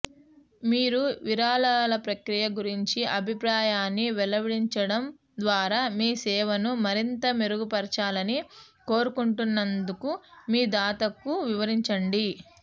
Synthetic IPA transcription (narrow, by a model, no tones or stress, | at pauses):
miːɾuʋiɾaːlalɐpɾɐkɾijɐɡuɾiɲt͡ʃiɐbʱipɾaːjaːnːiʋɛlɐʋiɽiɲt͡ʃɐɽɐm | d̪ʋaːɾaːmiːsɛːʋɐnumɐɾint̪ɐmeɾuɡupɐɾt͡ʃaːlɐni | ko̞ːɾukuɳʈunːɐnd̪ukumiːd̪aːt̪ɐkːuʋiʋɐɾiɲt͡ʃɐɳɖi